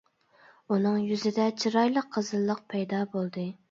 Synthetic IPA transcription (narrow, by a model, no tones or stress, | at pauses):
unɨŋjyzɪd̪ɛt͡ʃʰiɾɑjlˠəqʰːəzɨlˠːəq̚pʰɛjd̪ɑːbolˠd̪ɨ